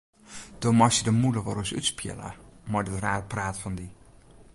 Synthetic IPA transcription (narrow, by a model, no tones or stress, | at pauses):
d̥omɔsədəmuləʋɔɾɔsy̰tspʰjɪ̰lə̰mɔjdətraːrpraːtfɔndi